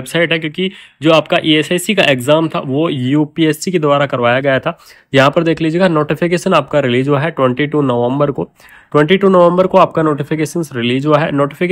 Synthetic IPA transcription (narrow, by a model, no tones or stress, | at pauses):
bsaːɪʈɦɛkjõːkid͡ʒoːaːpkaʔiːɛːsasikaʔeːɡzaːmt̪ʰa̰ʋojuːpiːɛːssiked̪ʊʋaːɾakɐɾʋaːjaɡɐjat̪ʰaː | jɐɦãpɐɾd̪eːkʰliːd͡ʒieːɡanoːʈɪfʰɪkeːʃənaːp̚kaɾɪliːd͡ʒoaɦɛʈwɛ̃ɳʈiʈunoːʋɛ̃mbəɾko | ʈwɛ̃ɳʈiʈuːnoːʋɛ̃mbəɾkoaːp̚kanoːʈɪfʰɪkeːʃənsɾɪliːd͡ʒoaɦɛ̰noːʈɪfʰɪkː